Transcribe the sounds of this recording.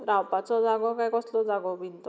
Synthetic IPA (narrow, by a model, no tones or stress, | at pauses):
ɾawpat͡sɔd͡zaɡɔkajkɔslɔd͡zaɡɔbint̪ɔ